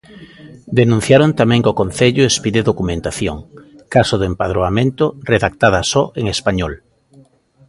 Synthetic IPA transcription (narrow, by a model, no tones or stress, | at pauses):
d̪enũn̟θjaɾont̪amɛ̃ŋkokõn̟θeʎʊespiðeðokumẽnt̪aθjoŋ | kasoðempað̞ɾoamẽnt̪oreðak̚t̪að̞asɔʔeŋespaɲɔl